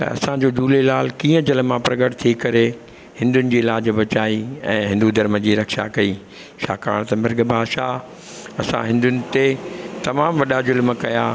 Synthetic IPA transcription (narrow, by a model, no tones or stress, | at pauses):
t̪ɐ̰ɐ̰sãd͡ʑoːd͡ʑuːlelaːlkĩːə̃d͡ʑɐlmãpɾɐɡəʈt̪ʰikɐɾe | hɪ̃nd̪ʊnɪ̆d͡ʑiːɪlaːd͡ʑbɐt͡ɕaːiɛ̰̃ːɦɪ̃nd̪ud̪ʱɐɾməd͡ʑiːɾɐkʃa̰kɐiː | ʃa̰ːka̰ːɽ̃t̪ɐmɪɾɡbʱaːʃa | ɐsã̰ɦɪ̃nd̪ʊnɪ̆t̪et̪ɐmaːmʋɐɗazʊlmkɐjaː